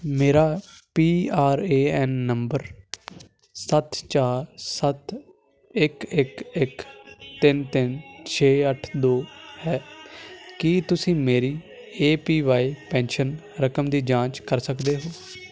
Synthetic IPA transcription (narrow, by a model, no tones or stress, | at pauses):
meːɾaːpiːaːɾeːɛːnːəmbəɾ | sət̪t͡ʃaːɾsət̪ | ɪkɪkɪkt̪ɪnt̪ɪnt͡ʃʰeːəʈʰd̪oːhɛː | kit̪ʊsĩːmeːɾiː | eːpiːʋaːiːpɛ̃ːnʃən | ɾəkəmd̪iːd͡ʒãːt͡ʃkəɾsəkd̪eːɦoː